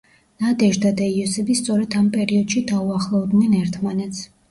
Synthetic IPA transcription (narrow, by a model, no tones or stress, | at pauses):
nad̪ɛʒd̪ad̪aiɔsɛbist̪sʼɔɾɛd̪ampʼɛɾiɔd̪̥ʃid̪auaχlˠɔd̪nɛnɛɾt̪ʰmanɛt̪sʰ